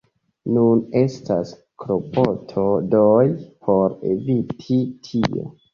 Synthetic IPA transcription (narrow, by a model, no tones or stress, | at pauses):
nune̞stas | kɾopotʰodojpʰo̞ɾḛvitʰitʰio̞̰